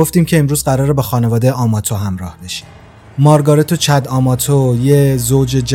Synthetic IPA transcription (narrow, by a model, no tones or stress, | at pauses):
oft̪iːmcʰe̞ːmɾuːzɢæɾɒːɾebexɒːne̞vɒːd̪e̞jeʔɒːmɒːt̪ʰoɦæmɾɒ̰ːhbe̞ʃi̥d̪ | mɒːɾɡɒːɾet̪ʰot͡ʃʰæd̪ɒːmɒːt̪ʰojezoːd͡ʒe̞d͡ʒ